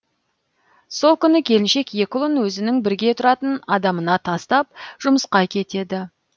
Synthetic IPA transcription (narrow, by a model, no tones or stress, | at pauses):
so̞lˠkʲʰʏnɪkʲʰe̞lɪnʃe̞kje̞kʲɪlˠənwɵzɪnɪŋbɪɾɡʲe̞t̪ʰʊɾɑt̪ənɑd̪ɑmənɑt̪ʰɑst̪ɑp̚ʒ̥ʊməsqɑkʲʰe̞t̪e̞d̪ɪ